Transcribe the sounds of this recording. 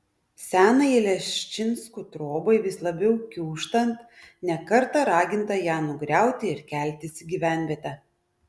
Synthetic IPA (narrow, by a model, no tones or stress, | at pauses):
sʲæːnɐɪlʲɛʃʲt͡ʃʲɪnskut̪ɾoːbɐɪʋʲɪslˠɐbʲɛʊkʲuːʃt̪ɐnt̪nʲɛkɐɾt̪ɐɾɑːɡʲɪnt̪ɐjæːnʊɡɾʲæˑʊt̪ʲɪɪɾkʲælʲt̪ʲɪsʲɡʲiʋʲæˑnʲʋʲiɛt̪ʲɛ